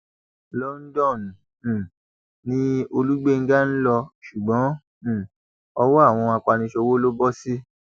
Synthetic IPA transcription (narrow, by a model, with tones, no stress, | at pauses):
lɔ˦n̩˦dɔ̃˦˨ñ̩˨ | nĩ˦o˧lu˦ɡ͡be˦˧ŋ̩˦ɡa˦n̩˦lɔ˧ʃu˨ɡ͡bɔ̃˨˦˨ | ɔ˧wɔ˦a˦˨w̃ɔ̃˧a˧k͡pa˧nĩ˧ʃo˧wo˦lo˦bɔ˦si˦